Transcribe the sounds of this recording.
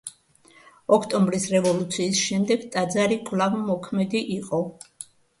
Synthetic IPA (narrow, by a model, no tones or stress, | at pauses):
ɔkʰt̪ʼɔmbɾisɾɛvɔlut̪sʰiːsʃɛmd̪ɛɡt̪ʼad̪zaɾikʼvlavmɔkʰmɛd̪iʔiqʼɔ